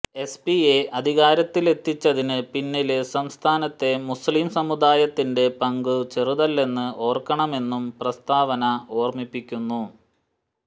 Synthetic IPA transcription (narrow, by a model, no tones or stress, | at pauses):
e̞spieʔɐd̪ʱiɣaːɾɐt̪ːile̞t̪ːit͡ɕːɐðinɨpinːilsɐmst̪ʰaːnɐt̪ːe̞muslimsɐmud̪aːjɐt̪ːinde̞pɐŋɡɨt͡ɕeruðɐlːe̞nːɨʔo̞ːrkɐɳɐme̞nːumprɐst̪aːʋɐnɐo̞ːrmipːikʲːunːu